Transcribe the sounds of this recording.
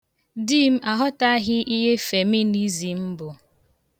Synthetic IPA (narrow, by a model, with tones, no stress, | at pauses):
di˦m̩˦a˨ɦɔ˦ta˦ɦɪ˦ʔi˦ɦe˦fe˨mi˦ni˦zi˨m̩˦bʊ˨